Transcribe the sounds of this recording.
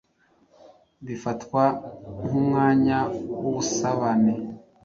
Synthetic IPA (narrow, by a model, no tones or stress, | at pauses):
βifatkwanumŋaːɲawuβusaβane